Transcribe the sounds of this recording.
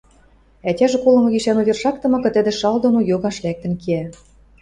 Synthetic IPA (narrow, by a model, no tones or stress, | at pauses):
ætʲæʒĕkolɤ̆mɤ̆ɣiʃænuβʲerʃɑk̚t̪ɤ̆mɤ̆kɤ̆t̪ə̆d̪ĕʃɑld̪onojoɣɑʃlæk̚t̪ə̆nkeæ